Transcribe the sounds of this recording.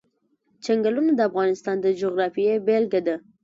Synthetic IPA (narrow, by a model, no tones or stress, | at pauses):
t͡ʃaŋɡalunad̪əafɣɑnɪst̪ɑnd̪əd͡ʒoɣɾɑfijebelɡad̪a